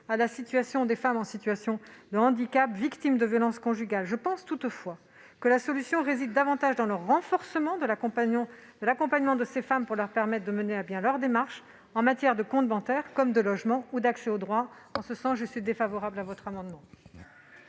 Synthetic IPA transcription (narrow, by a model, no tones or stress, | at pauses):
alasit̪ɥasjɔ̃d̪efamɑ̃sit̪ɥasjɔ̃d̪əɑ̃d̪ikapvikt̪imd̪əvjɔlɑ̃skɔ̃ʒyɡʲalʒəpɑ̃st̪ut̪fwa | kəlasɔlysjɔ̃ʁezid̪ːavɑ̃t̪aʒd̪ɑ̃ləʁːɑ̃fɔʁsəmɑ̃d̪ə̃ | d̪əlakɔ̃paɲmɑ̃d̪əsefampuʁlœʁpɛʁmɛt̪̚χd̪əmənelabjɛ̃lœʁd̪emaʁʃ | ɑ̃mat̪jɛʁd̪əkɔ̃t̪̚bɑ̃t̪ɛʁkɔmd̪əlɔʒmɑ̃ud̪aksɛod̪ʁwa | ɑ̃səsɑ̃sʒəsɥid̪efavɔʁablavɔt̪χamɑ̃d̪mɑ̃